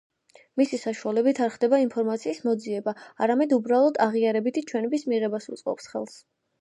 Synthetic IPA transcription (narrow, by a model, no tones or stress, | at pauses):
misisaʃualɛbit̪ʰaɾχd̪ɛbaimpʰɔɾmat̪sʰiːsmɔd̪ziɛbaaɾamɛd̪ubɾalˠɔd̪aʁiaɾɛbit̪ʰit͡ʃʰwɛnɛbismiʁɛbasṵt̪sʼqʼɔ̰psχɛ̰lˠs